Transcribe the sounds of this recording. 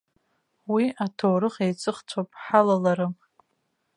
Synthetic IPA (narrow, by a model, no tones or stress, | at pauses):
wiʔatʰoːɾɨχejt͡sʼɨχt͡sʷʰapʼħalalaɾɨ